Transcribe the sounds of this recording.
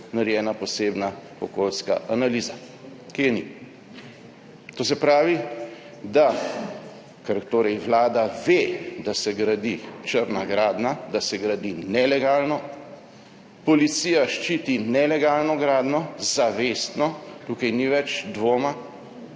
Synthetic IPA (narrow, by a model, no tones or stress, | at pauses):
naɾjɛːnapɔseːbna | ɔkolska̰ʔanaliːza | kinḭ | t̪oːs̬ɛpɾaːʋi | d̪a | kɛɾt̪oːɾɛjʋlaːd̪aʋed̪asɛɡɾad̪it͡ʃəɾnaɡɾaːd̪nad̪asɛɡɾad̪inɛlɛɡaːlnɔ | pɔlit̪siːjaʃt͡ʃiːt̪inɛlɛɡalnɔɡɾaːd̪nɔzaʋeːst̪nɔt̪ukajniʋɛt͡ʃd̪ʋoːma